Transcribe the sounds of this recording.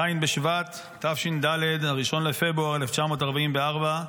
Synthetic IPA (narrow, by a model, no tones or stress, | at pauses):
ainbeʃvat̪ː | afʃind̪aled̪aʁiʃo̞nle̞fe̞bʁuaʁeleft͡ʃamo̞taʁbaimveaʁba